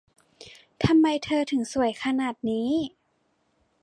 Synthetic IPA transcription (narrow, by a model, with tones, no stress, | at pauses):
t̪ʰa˧mːa˧jt̪ʰɤː˧t̪ʰɯ˩˦ŋsu˨˩˦əjkʰa˧naː˨˩t̪̚niː˦˥